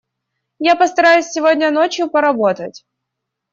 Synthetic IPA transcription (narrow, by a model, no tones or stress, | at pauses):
japəst̪ɐɾajʊsʲsʲɪvodʲnʲənot͡ɕjʊpəɾɐbot̪ətʲ